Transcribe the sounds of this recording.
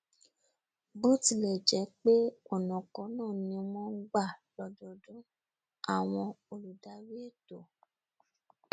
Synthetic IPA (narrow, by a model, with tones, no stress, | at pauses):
bo˦ti˧˦lɛ˨d͡ʒɛ˨˦k͡pe˦ɔ˨nɔ̃˨kɔ˨˦nãː˦˨nĩ˧˦o˧˦mɔ̃˦ɡ͡ba˦˨lɔ˨dɔ˨dũ˦ | a˨w̃ɔ̃˧o˨lu˨da˨˦ɾi˦e˦˨to˨